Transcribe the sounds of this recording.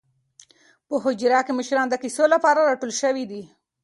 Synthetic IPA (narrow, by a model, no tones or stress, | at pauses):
pəɦod͡ʒɾɑkemɪʃɾɑnd̪əkisolapɑɾaɾɑʈolʃəwid̪i